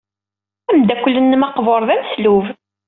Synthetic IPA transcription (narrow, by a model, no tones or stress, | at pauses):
æmd̪ækʷːəlːənːəmɑqvoɾˤðæmsluv